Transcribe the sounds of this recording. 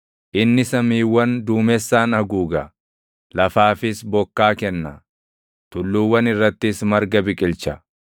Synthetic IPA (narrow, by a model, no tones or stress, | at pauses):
ʔɪnːɪsɐmiːwːɐnd̪uːmɛsːaːnɐɡuːɡɐ | lɐfaːfɪsbɔkːaːkɛnːɐ | t̪ʊlːuːwːɐnɪrːɐt̪ːɪsmɐɾɡɐbɪkʼɪlt͡ʃɐ